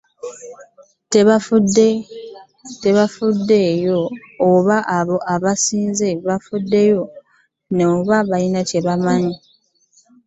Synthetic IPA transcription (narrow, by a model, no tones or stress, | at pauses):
teβafude | te̞βafudːe̞ːjo̞ː | βaʔaβo̞ʔaβasiːnzeβafudːe̞jo̞ | noːβaβalinace̞βamaɲi